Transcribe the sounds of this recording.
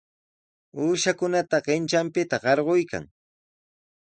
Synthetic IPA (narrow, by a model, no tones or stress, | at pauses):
uːʃakʊnat̪aɢɪnt͡ʃampɪt̪aɢɑɾɢojka̰ŋ